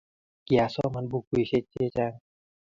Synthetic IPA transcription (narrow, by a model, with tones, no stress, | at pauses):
ki˨a˧sɔ˦ma˧˦nbu˧ku˧˨jse˧t͡ɕːe˧˦t͡ɕa˧ŋ